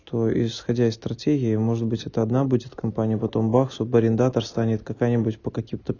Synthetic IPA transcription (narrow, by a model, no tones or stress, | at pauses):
ʂt̪o̞ɪ̰sxɐdʲaɪst̪ɾɐtʲeɡʲɪɪmo̞ʐɨt̪̚bɨtʲɛt̪əɐd̪nabudʲɪt̪kɐmpanʲɪjəpɐt̪o̞mbaksubəɾʲɪnd̪at̪ərst̪anʲɪt̪kɐkajnʲɪbʊtʲpəkɐkʲimt̪ə